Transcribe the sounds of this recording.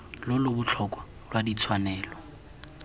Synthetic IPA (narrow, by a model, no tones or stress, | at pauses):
lʊlʊbʊt͡ɬʰɔkʼwa | lwadit͡sʰwanɛːlɔ